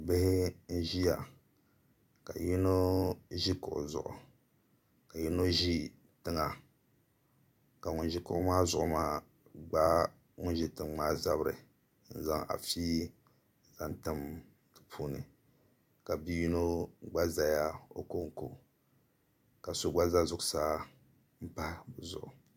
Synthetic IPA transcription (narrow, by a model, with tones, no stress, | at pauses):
bɪ˦hɪ˦n̩˦ʒi˦ja˨ | ka˨ji˦no˦ʒi˦kʊ̰˨ʔʊ̰˨zʊ̰˨ʔʊ̰˨ | ka˨ji˦no˦ʒi˦ | tɨ˦ŋa˨ | ka˨ŋʊ˨n˦ʒi˦kʊ˦ʔʊ˦maː˦zʊ˨ʔʊ̰˦maː˦ | ɡ͡ba˦ | ŋʊ˦n˦ʒi˦tɨ˨ŋ˦aː˦za˦bɾɨ˨˦ | n̩˨za˦ŋa̰˨fiː˦ | za˨ntɨ˦m | tɨ˨pʰuː˦nɨ̰˨ | ka˨bi˦ji˦no˦ɡ͡ba˦za˨ja˦o̰˦ko˦ŋ˨ko˨ | ka˨so˦ɡ͡ba˦za˦zʊ˨saː˦ | m̩˦pa˦zʊ˨ʔʊ˨